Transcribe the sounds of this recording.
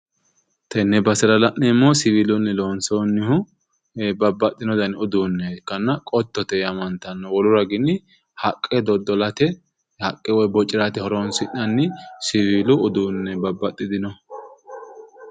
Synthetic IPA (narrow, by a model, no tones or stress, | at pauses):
t̪ʰɛnːɛbɐsɪɾɐlɐʔnɛmːoːsɪvilʊnːɛloːnsonːɪhʊ | bɐbːɐt̪ʼːɪnɔd̪ɐnʊd̪uːnːɛkːɐnːɐkʼɔt̪ːɔt̪ɛjɐmɐnt̪ɐnːɔwɔlʊɾɐɡɪnɪ | hɐkʼːɛd̪ɔd̪ɔlɐt̪ɛ | hɐkʼːɛwɔjbɔt͡ʃʼːɪɾat̪ɪhɔɾonsɪʔɐnːɪsɪviːlʊʊd̪uːnːɛbɐbːɐt̪ʼːɪd̪ɪnɔ